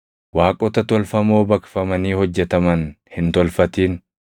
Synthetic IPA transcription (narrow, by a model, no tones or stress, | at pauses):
waːkʼɔt̪ɐt̪ɔlfɐmo̞ːbɐkfɐmɐniːhɔd͡ʒːɛt̪ɐmɐn | hɪnt̪ɔlfɐt̪iːn